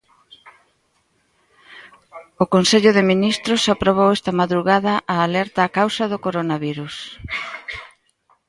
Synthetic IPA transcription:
ʊkonseʎʊðɪminist̪ɾʊsapɾoβ̞owɛst̪ɐmaðɾuɣaðɐʔaːlɛɾt̪aːkawsɐðʊkoɾonaβiɾus

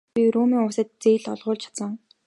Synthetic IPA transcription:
iɾuːmiːŋʊːsə̆t̪̚t͡seːɮɔ̰ɮʁʊːɮt͡ɕʰḁt̪sə̆ŋ

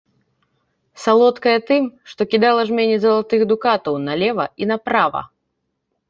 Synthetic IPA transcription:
salˠɔt̪kɐjɐt̪ɨmʂt̪ɔkʲid̪alˠɐʐmʲenʲizɐlˠat̪ɨxd̪ukat̪ɐwnɐlʲɛvɐinɐpɾavɐ̰

